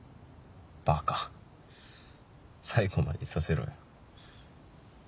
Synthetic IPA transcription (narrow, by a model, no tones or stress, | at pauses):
b̥aka | saiɡoma̰d̪esaseɾo̰jo